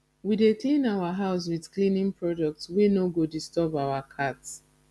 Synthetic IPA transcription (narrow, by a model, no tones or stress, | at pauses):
wideklĩnawaɦaʊs̬wiðklĩnĩŋpʰɹɔdɔk̚tswenoɡodistɔbaʊwakʰats